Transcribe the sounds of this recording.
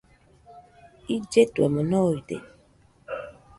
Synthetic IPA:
id͡ʒetwɛ̰mɔnɔitḛ

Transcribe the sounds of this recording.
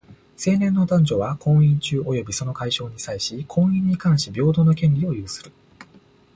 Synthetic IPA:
se̞ːnẽ̞nːo̞d̪ãɲd͡ʑo̞βakʰõ̞ɰ̃ĩɲt͡ɕɨːʔo̞jo̞bʲiso̞no̞kaiɕo̞ːɲ̟isaiɕikʰõ̞ɰ̃ĩɲ̟ːikãɰ̃ɕibʲo̞ːd̪o̞no̞kʲẽ̞nʲɾʲio̞jɯːsɨ̥ɾɯ̟

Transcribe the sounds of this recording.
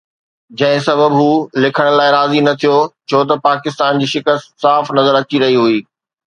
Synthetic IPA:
d͡ʑɐ̃ɦɪ̃sɐbʱəbɦuːlɪkʰəɽ̃laːɪɾaːzinɐt̪ʰijot͡ɕʰoːt̪ɐpaːkɪst̪aːnd͡ʑiːʃɪkəst̪saːfnɐzəɾɐt͡ɕiɾɐɦiɦuiː

